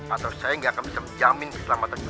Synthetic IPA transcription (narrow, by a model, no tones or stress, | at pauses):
at̪awsajaəŋɡaʔakanbisaməd͡ʒamɪnkə̥səlamat̪an